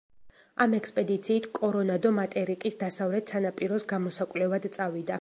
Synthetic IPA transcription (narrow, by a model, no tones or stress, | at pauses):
amɛkspʼɛd̪it̪sʰiːt̪ʰkʼɔɾɔnad̪ɔmat̪ʼɛɾikʼisd̪asavlɛt̪sanapʼiɾɔsɡamɔsakʼlɛvad̪t̪sʼavid̪a